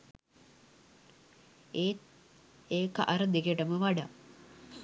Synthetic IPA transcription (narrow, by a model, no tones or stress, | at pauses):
eːt̪ | eːkʔaɾəd̪ekeʈəməʋaɖa